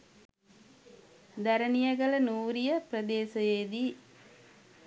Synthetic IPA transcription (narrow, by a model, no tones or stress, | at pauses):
d̪æɾənijəɡələnuːɾijəprəd̪eːsəjeːd̪iː